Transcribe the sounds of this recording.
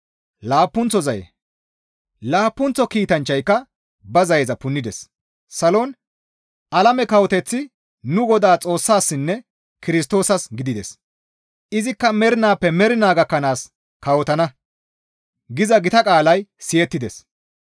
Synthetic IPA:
laːpːʊnt͡sɔzɐj | laːpːʊnt͡sːɔkiːt̪ɐnt͡ʃːɐjkːɐ | bɐzɐjzɐpʊnːɪd̪ɛs | sɐlo̞ːn | ʔɐlɐmɛkɐwɔt̪ɛt͡sːɪ | nʊɡɔd̪aːt͡sʼo̞ːsːaːsːɪnːɛ | kɪɾɪst̪o̞ːsɐsɡɪd̪ɪd̪ɛ̰s | ʔɪzɪkːɐmɛɾɪnaːpːɛmɛɾɪnaːɡɐkːɐnaːs | kɐwɔt̪ɐnɐ | ɡɪzɐɡɪt̪ɐkʼaːlɐjsɪjɛt̪ːɪd̪ɛs

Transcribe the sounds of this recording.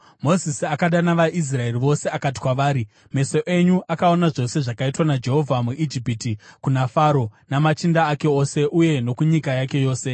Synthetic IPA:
mo̞zisiakaɗanaʋaʔis̬rae̞riʋo̞se̞akat̬i̥kwaʋaːɾi | me̞so̞ʔe̞ɲuʔakao̞naʐo̞se̞ʐakaitwanad͡ʒe̞ɦo̞vʱamuʔid͡ʒipitikunafaɾo̞namat͡ʃindaːke̞o̞ːse̞ʔuje̞no̞kuɲikajake̞jo̞ːse̞

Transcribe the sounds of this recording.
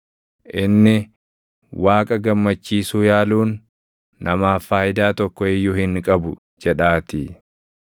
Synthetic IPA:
ʔɪnːɪ | waːkʼɐɡɐmːɐt͡ʃːiːsuːjaːluːnː | ɐmaːfaːjɪd̪aːt̪ɔkːɔɪjːʊhɪnkʼɐbʊ | d͡ʒɛᶑaːt̪ɪ

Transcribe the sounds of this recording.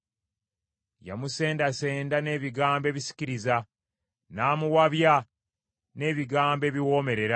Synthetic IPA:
ja̰muse̞ːndase̞ːndane̞ːβiɡaːmbe̞ːβisi̥ciɾiza | naːmuwaβja | ne̞ːβiɡaːmbe̞ːβiwo̞ːme̞ɾe̞ɾa

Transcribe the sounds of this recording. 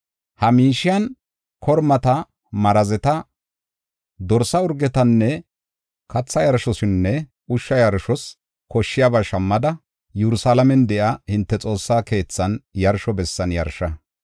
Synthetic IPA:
hɐmiːʃɪjɐn | kʰɔɾmɐt̪ɐ | mɐɾɐzɛt̪ɐ | d̪ɔɾsɐʊɾɡɛt̪ɐnːɛ | kɐt͡sːɐjɐɾʃɔsɪnːɛ | ʊʃːɐjɐɾʃɔs | kɔʃːɪjabaʃɐmːɐd̪ɐ | jɛɾʊsaːlɐmɛnd̪ɛʔahɪnt̪ːɛt͡sʼo̞ːsːaːke̞ːt͡sːɐnjɐɾʃɔbɛsːɐnjɐ̰ɾʃɐ

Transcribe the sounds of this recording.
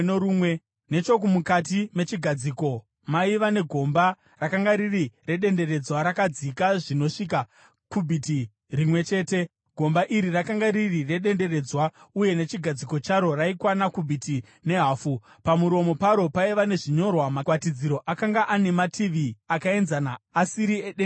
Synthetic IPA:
noɾuːmwe | ne̞t͡ʃo̞kumukat̬ime̞t͡ʃiɡʱad͡ziːko̞ | maiʋane̞ɡʱo̞mba | rakaŋɡaɾirire̞ɗe̞nde̞re̞d͡zwaɾakad͡zikaʐino̞ʂik̬a | kubʱiti | rimwe̞t͡ʃe̞ːte̞ | ɡʱo̞mbaʔiɾirakaŋɡaɾirire̞ɗe̞nde̞re̞d͡zwauje̞ne̞t͡ʃiɡʱad͡ziko̞t͡ʃaɾo̞raikwanakubʱiti | ne̞ɦaːfu | pamuɾo̞mo̞paɾopaiʋane̞ʐiɲo̞rwamaatid͡ziɾo̞ʔakaŋɡaʔane̞matiʋiakae̞nzanaːsiɾieɗe

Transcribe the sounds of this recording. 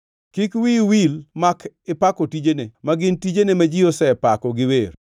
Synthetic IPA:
kikwiwilmak | ɪpakɔtid͡ʒenemaɡɪntid͡ʒenemad͡ʒiosɛpakɔɡɪweɾ

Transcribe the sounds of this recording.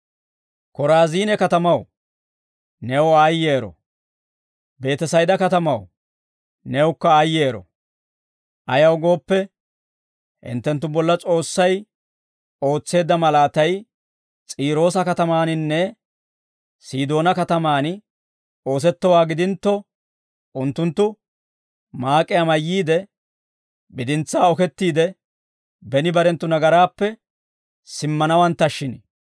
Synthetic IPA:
kɔɾaːziːnɛkɐt̪ɐmɐw | nɛwɔajːeːɾɔ̰ | be̞ːt̪ɛsɐjd̪ɐkɐt̪ɐmɐw | nɛwʊkːɐːjːeːɾɔ̰ | ʔɐjɐwɡo̞ːpːɛ | hɪ̰nt̪ːɛnt̪̬ːʊbɔlːɐt͡sʼo̞ːsːɐj | o̞ːt͡sːe̞ːd̪ːɐmɐlaːt̪ɐj | t͡sʼiːɾo̞ːsɐkɐt̪ɐmaːnɪnːɛ | siːd̪o̞ːnɐkɐt̪ɐmaːn | o̞ːs̬ɛt̪ːɔwaːɡɪd̪ɪnt̪ːɔ | ʔʊnt̪ːʊnt̪ːʊ | maːkʼːɪjamɐjːiːd̪ɛ | bɪd̪ɪnt͡sːaːɔkɛt̪ːiːd̪ɛ | bɛnɪbɐɾɛnt̪ːʊnɐɡɐɾaːpːɛ | sɪmːɐnɐwɐnt̪ːɐʃːɪnɪ

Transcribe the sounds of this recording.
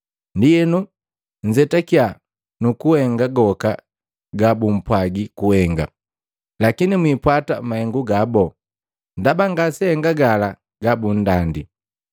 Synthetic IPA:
ndijɛnu | ɲ̩d͡ʒɛtakja | nukuhɛŋɡaɡɔka | ɡabum̩pwaɡikuhɛŋɡa̰ | lakinimwipwatamahɛŋɡuɡabɔ | ndabaŋɡasɛhɛŋɡaɡala | ɡabun̩dandi

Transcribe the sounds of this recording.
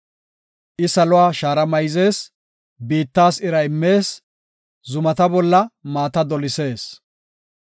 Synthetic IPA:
ʔɪsɐlʊwaːʃaːɾɐmɐjze̞ːs | biːt̪ːaːsɪɾɐɪmːe̞ːs | zʊmɐt̪ɐbɔlːɐmaːt̪ɐd̪ɔlɪse̞ːs

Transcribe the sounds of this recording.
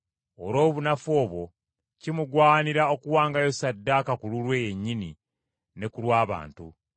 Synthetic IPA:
oɾo̞ːβunafo̞ːβwo̞ | cimuɡwaːniɾaokuwaːŋɡajo̞sadːaːkakululwe̞ːje̞ɲːini | ne̞kulwaːβa̰ːntṵ

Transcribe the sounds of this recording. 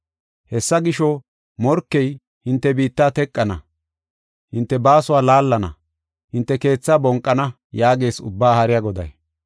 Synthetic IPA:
hɛsːɐɡɪʃɔ | mɔɾkːɛj | hɪnt̪ːɛbiːt̪ːaːt̪ɛkʼːɐnɐ̰ | hɪnt̪ːɛbaːsʊwaːlaːlːɐnɐ̰ | hɪnt̪ːɛke̞ːt͡sːaːbɔŋkʼːɐnɐ | jaːɡe̞ːsʊ̰bːaːhɐɾɪjɐɡɔd̪ɐ̰j

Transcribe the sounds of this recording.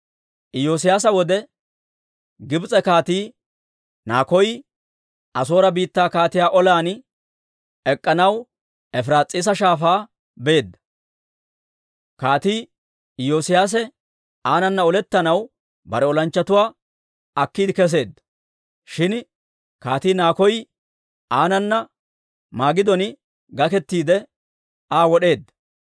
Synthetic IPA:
ʔɪjoːsɪjaːs̬ɐwɔd̪ɛ | ɡɪbt͡sʼɛkaːt̪iː | na̰ːkɔj | ʔɐso̞ːɾɐbiːt̪ːaːkaːt̪ɪjaːʔɔlaːn | ɛkʼːɐnɐw | ɛfɪɾaːt͡sʼːiːs̬ɐʃaːfaː | be̞ːd̪ːɐ̥ | kaːt̪iː | joːsɪjaːs̬ɛ | aːnɐnːɐɔlɛt̪ːɐnɐw | bɐɾɛɔlɐnt͡ʃːɐt̪ʊwaː | ɐkːiːd̪ɪkɛs̬e̞ːd̪ːɐ̥ | ʃɪn | kaːt̪iːnaːkɔj | ʔaːnɐnːɐ | maːɡɪd̪ɔn | ɡɐkɛt̪ːiːd̪ɛ | aːwɔɗe̞ːd̪ːɐ̥

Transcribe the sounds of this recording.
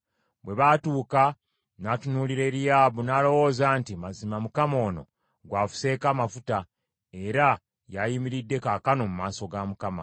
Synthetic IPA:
bwe̞βatuːka | natunuːliɾe̞ːɾijaːβunaːlo̞wo̞ːzaːntimazimamukamo̞ːno̞̰ | ɡwaːfu̥se̞ːkaːmafuta | e̞ɾa | jajimiɾidːe̞kakano̞mumaːso̞ɡamukama̰

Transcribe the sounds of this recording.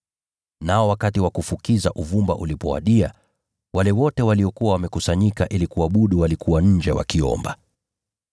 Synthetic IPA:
naɔwakatiwakufukizaʔuvumba̰ʔulipɔwa̰ɗia̰ | walɛwɔtɛwaliɔkuawamɛkusaɲikaʔilikuaɓuɗuwalikʰuwaɲ̩d͡ʒɛwa̰kiɔ̰mba

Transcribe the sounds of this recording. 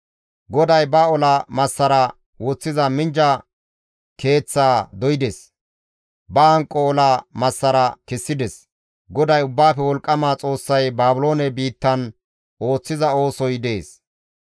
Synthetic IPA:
ɡɔd̪ɐjbɐɔlɐmɐsːɐɾɐ | wɔt͡sːɪzɐmɪnd͡ʒɐ | ke̞ːt͡sːaːd̪ɔjɪd̪ɛs | bɐɐŋkʼːɔɔlɐmɐsːɐɾɐkɪsːɪd̪ɛs | ɡɔd̪ɐjʊbːaːfɛwɔlkʼːɐmaːt͡sʼo̞ːsːɐjbaːbʊlo̞ːnɛbiːt̪ːɐn | ʔo̞ːt͡sːɪzɐo̞ːsɔjd̪ɛḛːs

